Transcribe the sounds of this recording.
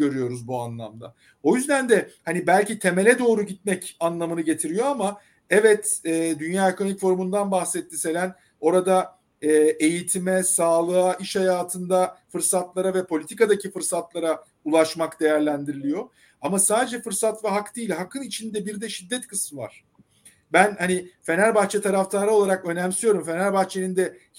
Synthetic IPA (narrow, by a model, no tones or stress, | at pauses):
ɟø̞ɾyjo̞ɾuzbua̰nlˠa̰md̪a̰ | o̞jyzd̪ænd̪ɛhanibælʲcit̪ʰe̞me̞lʲɛd̪o̞ːɾuɟit̪̚mɛcanlˠamɯnɯɟe̞t̪ʰiɾijo̞ama | ɛvɛt̪ɛːd̪ynjaːekʰo̞nomicʲfo̞ɾumund̪anbaxsɛt̪ʰːise̞lʲæn | o̞ɾad̪a | ɛːe̞jit̪ʰimɛsaːlˠɯaʔiʃhajaːt̪ʰɯnd̪afɯɾsat̪lˠaɾavɛpʰo̞lʲit̪ʰikad̪acʰifɯɾsat̪lˠaɾa | ulˠaʃmakd̪e̞jæɾlʲænd̪iɾilʲijo̞ | amasaːd̪e̞d͡ʒɛfɯɾsat̪vɛɦakd̪iːjlʲɦakʰːɯnit͡ʃʰind̪ɛbiɾd̪ɛʃid̪ːɛt̪kʰɯsmɯva̰ɾ̥ | bænhanife̞næɾbaxt͡ʃʰɛt̪ʰaɾaft̪ʰaɾolˠaɾakø̞næmsyjo̞ɾumfe̞næɾbaxt͡ʃʰenind̪ɛ